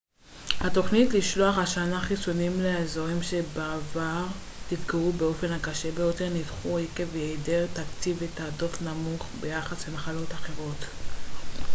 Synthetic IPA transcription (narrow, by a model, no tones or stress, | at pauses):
hat̪o̞χnitliʃlo̞aχaʃanaχisonimleezoʁimʃebaːvaʁ | titɡaʁubeo̞fe̞nhakaʃe̞bejote̞ʁnidχuekevjedeʁtakt͡sivetaːdo̞tnamuχbejaχaslemaχalo̞taχe̞ʁo̞t